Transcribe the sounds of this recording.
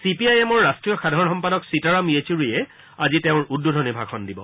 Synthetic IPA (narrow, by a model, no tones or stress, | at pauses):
sipiajɛmɔɹːastɹijɔxadʱaɹɔnxɔmpadɔksitaɹamiet͡ɕuɹijɛ | aziteʊ̃ɹudːudʱɔnibʱaxʰɔndibɔ̰